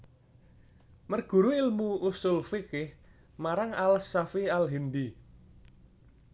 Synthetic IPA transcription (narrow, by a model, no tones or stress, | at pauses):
mərɡ̥ṳɾuilmuusʊlfikɪh | maɾaŋalsafialɦind̪i